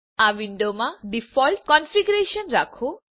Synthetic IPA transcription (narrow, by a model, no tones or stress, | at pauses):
aʋinɖomaɖifɔlʈ̚kɔnfiɡuɾeʃɔnɾakʰo